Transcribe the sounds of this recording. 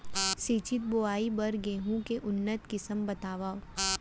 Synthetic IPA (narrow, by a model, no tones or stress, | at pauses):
siːt͡ʃɪt̪̚boaːibɐɾɡeːɦũkeʔʊnːət̪kɪsəmbɐt̪aːʋaːo